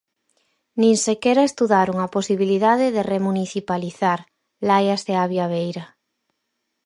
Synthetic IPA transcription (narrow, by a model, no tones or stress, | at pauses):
nĩŋsekeɾaest̪uðaɾoŋaposiβiliðaðeðeremuniθipaliθaɾ | lajazðeaβjaβ̞ejɾa